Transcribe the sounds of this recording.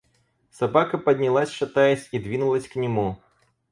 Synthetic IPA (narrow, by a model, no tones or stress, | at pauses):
sɐbakɐpɐd̪ʲnʲilˠasʲʂɐt̪ajɛsʲid̪vʲinʊlˠɐsʲknʲɪmu